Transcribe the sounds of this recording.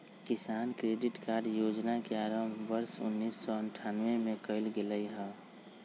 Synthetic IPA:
kɪsaːnkɾeːɖɪʈkaːɾɖjoːd͡ʒnakeaɾəmʋəɾsʊ̰nːiːsːɔəɳʈʰanʋemẽkəɪlɡeləiɦɛ̃ː

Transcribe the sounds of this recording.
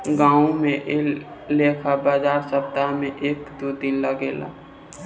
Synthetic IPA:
ɡãːũmẽʔelleːkʰabaːzaːɾsəb̚t̪amẽʔeːkd̪od̪ɪnləɡeːla̰ː

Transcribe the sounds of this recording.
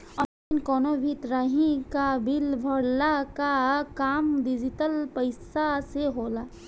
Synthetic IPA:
ɔːaɪnkɔːnobʱit̪ɾaːɦĩkabɪlbʱəɽlakakaːmd̪ɪd͡ʒɪt̪əlpəɪsaseɦoːlaː

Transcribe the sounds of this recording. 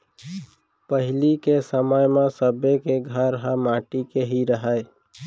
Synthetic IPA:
pəɦɪlikesəməjmẽsəbekeɡʱəɾɦəmãːʈikeɦiɾəɦəe

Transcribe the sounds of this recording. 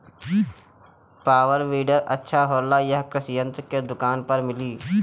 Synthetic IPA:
paːwəɾʋiːɖəɾɐtːʃʰaɦoːlːajɐɦkɾɪsjə̃nt̪ked̪ʊkaːnpɐɾmɪliː

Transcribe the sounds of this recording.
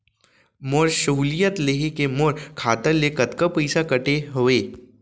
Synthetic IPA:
moɾʃɐɦuːlijət̪leɦekemoːɾkʰaːt̪əlːekɐt̪kəpəɪsakɐʈeɦoeː

